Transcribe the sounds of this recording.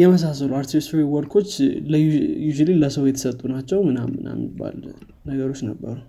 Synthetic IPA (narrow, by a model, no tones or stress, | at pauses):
jɛməs̬asəluaɾt̪ʰisfɾiwɔɾkʰo̞t͡ʃːləjud͡ʒililəsəwjɛt̪ʰə̥sət̪ʼːunat͡ʃːɛwmɨnamːɨna̰mːḭbːa̰l | nəɡəɾo̞t͡ʃːnəbːə̰ɾu